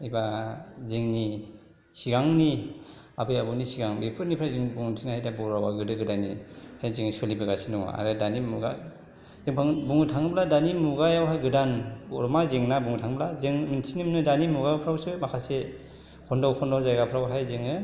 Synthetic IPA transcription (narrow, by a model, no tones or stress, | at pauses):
ibazeŋni | siɡaŋni | abɯjabɯnisiɡaŋbepʰɯɾnipʰɾawzeŋbuŋɯtʰinahajdabɔɾawaɡɯdɯɡɯdanihajzeŋsʰalibɯɡasinuŋ̰a̰ɾɯdanimuɡa̰ | zeŋpʰaŋbuŋɯtʰaŋɯbladanimuɡajawɦajɡɯdanɔɾmazeŋnabuŋtʰaŋblazeŋminsʰinimnɯdanimuɡapʰɾawsɯmakʰase | kʰɔndɔwkʰɔndɔwzajɡapʰɾawɦajzeŋɯ